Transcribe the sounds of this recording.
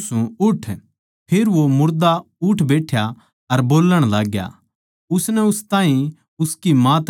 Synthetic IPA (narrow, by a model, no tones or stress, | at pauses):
sũʊʈʰ | pʰɪɾʋomʊɾd̪a | ʊʈʰbeːʈʰja | ɐɾboːlːəɽ̃laːɡja̰ | ʊsnɛʊst̪ãːɦĩ | ʊskimãt̪